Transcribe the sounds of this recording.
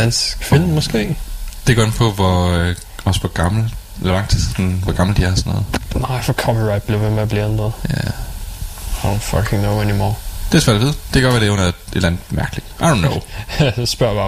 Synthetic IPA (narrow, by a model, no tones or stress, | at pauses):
ænsfenmɒsɡ̥e̝̰ːd̥e̝ɡ̥ɒ̰dnpʰɒ̽ʋɒ | ɒ̽spʰɒɡ̥ɑ̈ml̩ʋlɑ̈ŋ̰d̥ʰi̥sɔnʋɒɡ̥ɑ̈ml̩d̥iæɐhsnːɔ̰ːð̩ˠnaɪfɒkʰɒpiɹaɪd̚b̥liʋemeb̥liẽndəðˠjæ | õnfʌ̰kʰɪ̃ŋnoʊenimɔ̰ːd̥e̝sʋæɐ̰d̥ʋeð̰ˠd̥e̝ɡ̥ɶɐʋæɾenæɐe̝d̥lænð̩ˠmæɐɡ̥əli̥aɪdõʊnːoʊsb̥ɶɐɾba